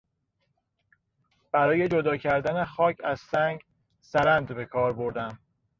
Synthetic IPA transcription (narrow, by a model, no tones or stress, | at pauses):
b̥æɾɒːje̞d͡ʒo̞d̪ɒːcʰæɾd̪ænexɒːcʰæz̥sæŋɡ | sæɾænd̪be̞kʰɒːɾbo̞ɾd̪æm